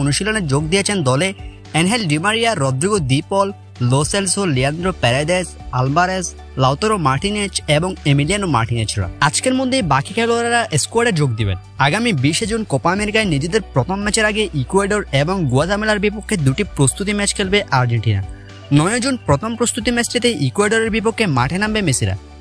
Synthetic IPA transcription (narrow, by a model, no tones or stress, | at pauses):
onuʃiloneɾd͡ʑoɡd̪iet͡ɕʰend̪ɔle | ɛnɦɛlɖimaɾijaɾɔd̪ɾiɡod̪ipɔl | loselsoliand̪ɾopɛɾajd̪esalbaɾes | lawt̪oɾomaɾʈined͡ʑeboŋemilianoma̰ɾʈined͡ʑɾa̰at͡ɕkeɾmod̪ʱːebakikʰɛloaɾaɾaʔeskuaɾɖeɾd͡ʑoɡ̚d̪ibḛn | aɡamibiʃed͡ʑunkopaːmeɾikajnid͡ʑed̪eɾpɾot̪ʰomːɛt͡ɕeɾaɡeʔikuaɖoɾeboŋɡuat̪amelaɾbip̬okʰːed̪uʈipɾost̪ut̪imɛt͡ɕkʰelbeʔaɾd͡ʑeɳʈina̰ | nɔjod͡ʑunpɾot̪ʰompɾost̪ut̪imɛt͡ɕʈit̪eʔikuaɖoɾeɾbip̬okʰːema̰ʈʰenambemesiɾa̰